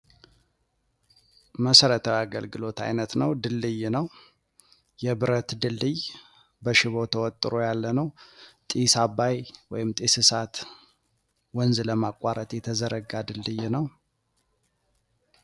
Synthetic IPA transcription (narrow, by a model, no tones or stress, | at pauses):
məsəɾət̪ʰəwaɡəlɡɨlo̞t̪ʰa̰jnət̪nəwd̪ɨlːɨjnəw | jɛbɨɾət̪d̪ɨlːɨj | bəʃɪβo̞t̪ʰəwɔt̪ʼːɨɾojalːənəwt̪ʼisabːajwɔjɪmt̪ʼisɨsat̪ | wɔnzləmakʼːaɾət̪ʼjɛt̪ʰəzəɾəɡːad̪ɨlːɨjnəw